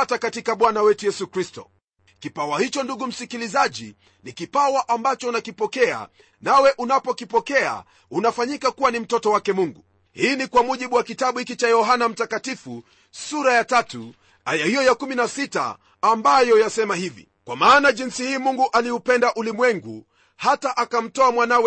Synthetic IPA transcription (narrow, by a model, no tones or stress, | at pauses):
atakatikaɓwanawɛtujɛsukɾistɔ̰ | kipawahit͡ʃɔnduɠum̩sikilizaʄḭ | nikipawaʔambat͡ʃɔunakipɔkɛa̰ | nawɛʔunapɔkipɔkɛa̰ | unafaɲikakuwanim̩tɔtɔwakɛmuŋɡu | hiːnikwamuʄiɓuwakitaɓuhikit͡ʃajɔɦanam̩takatifu | suɾajatatu | ajahijɔjakuminasita̰ː | mbajɔjasɛmahivḭ | kwamaːnaʄinsihiːmuŋɡuʔaliupɛndaʔulimwɛŋɡu | hataʔakam̩tɔamwanawɛ